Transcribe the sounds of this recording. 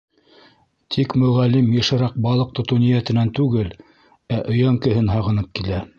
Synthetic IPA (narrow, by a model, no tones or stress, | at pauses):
t̪ʰikmɵ̆ʁælːimjɤ̆ʃɤ̆ɾɑq̚bɑlˠɤq̚t̪ŏt̪unijæt̪ɘ̆nænt̪ʉɡɘl | æʔɵ̆jæŋkɘ̆ɦɘnɦɑʁɤ̆nɤp̚kilæ